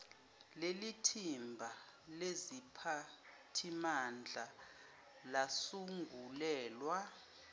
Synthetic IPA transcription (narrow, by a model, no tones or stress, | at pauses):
lelitʰimbʱalezipʰatʰimand͡ɮʱa | lasuŋɡʱulɛːlwa